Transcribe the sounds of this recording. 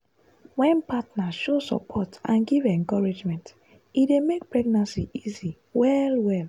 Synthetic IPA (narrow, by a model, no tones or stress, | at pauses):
wɛ̃npatnaʃosɔ̰pʰɔtãnɡivɛ̃ŋkɔɹed͡ʒmɛ̃nt | idemek̚pɹɛɡnãnsiʔizi | wɛlwɛl